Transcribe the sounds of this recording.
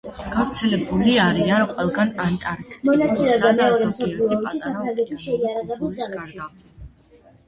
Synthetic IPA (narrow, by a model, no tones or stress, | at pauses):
ɡ̥avɾt̪sʰɛlɛbuliaɾianqʼwɛlˠɡanant̪ʼaɾkt̪ɔnat̪sʼilɛɔamɛɔɾɛmsɔliaɔʃisapʰɾaŋɡɛt̪ʰiʃɛiaɾaʁɛbusd̪zalɛpʃi